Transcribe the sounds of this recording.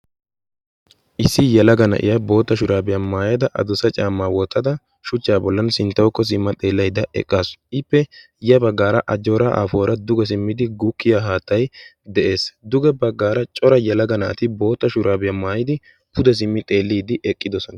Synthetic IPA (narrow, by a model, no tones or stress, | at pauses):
ʔɪsːɪjɛlɐɡɐnɐ̰ʔɪ̰jɐbo̞ːt̪ːɐʃʊɾaːbɪjamaːjɐd̪ɐʔɐ̰d̪ʊsɐt͡ʃʼaːmːaːwɔt̪ːɐd̪ɐ | ʃʊt͡ʃːaːbɔlːɐnsɪnt̪ːɐwɔkːɔs̬ɪmːɐt̪ʼe̞ːlːɐjd̪ɐʔɛ̰kʼːaːsʔɪpːɛ | jɐbɐɡːaːɾɐʔɐd͡ʒo̞ːɾaʔa̰ːfoːɾɐd̪ʊɡɛs̬ɪmːɪd̪ɪɡʊkːɪjaɦaːt̪ːɐj | d̪ɛʔe̞ːsd̪ʊɡɛbɐɡːaːɾɐt͡ʃʼɔɾɐjɛlɐɡɐna̰ːt̪ɪbo̞ːt̪ːɐʃʊɾaːbɪjamaːjɪd̪ɪ | pʰʊd̪ɛs̬ɪmːɪt̪ʼe̞ːlːiːd̪ɪʔɛkʼːɪd̪ɔsɔnɐ